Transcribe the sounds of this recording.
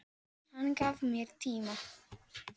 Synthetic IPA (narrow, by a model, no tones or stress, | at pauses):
hankavmiɾt̪ima